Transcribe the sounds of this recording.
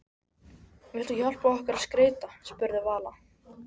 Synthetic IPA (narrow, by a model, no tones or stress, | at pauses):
mɛlt̪ʏçɔl̥paɔhkaɾaðskɾeːjt̪aspʏɾðɪvaːla